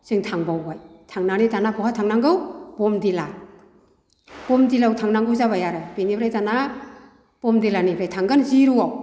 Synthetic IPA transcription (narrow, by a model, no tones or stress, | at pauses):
sɯŋtʰaŋbawbajtʰaŋnanitanapʰɔhatʰaŋnaŋɡɯwbɔmdila | b̥ɔmdilawtʰaŋnaŋɡɯwzaβajaɾɯjbenibɾajtana | b̥ɔmdilanibɾajtʰaŋɡɯnziɾuwaw